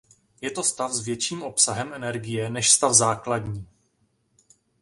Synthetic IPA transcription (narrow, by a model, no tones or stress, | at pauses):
jɛt̪o̞st̪afzvjɛt͡ʃiːmʔo̞psaɦɛmʔɛnɛɾɡɪjɛnɛʃst̪avzaːkladɲiː